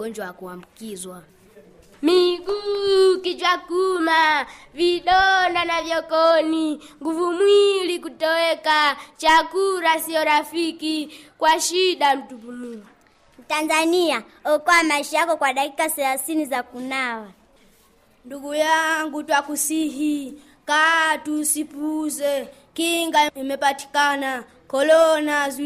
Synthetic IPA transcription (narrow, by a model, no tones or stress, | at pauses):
ɡɔnd͡ʒwawakuwambukizwa | miɡukid͡ʒwakumaviɗɔndanavjɔkɔniŋɡuvumwilikutɔwɛkat͡ʃakuɾasiɔɾafikikwaʃiɗam̩tupunuu | m̩tanzania | ɔkɔwamaiʃajakɔkwaɗakikasɛɾasinizakunawa | nduɡujaŋɡutwakusiɦi | katusipuzɛ | kiŋɡaimɛpati̥kana | kɔlɔnaz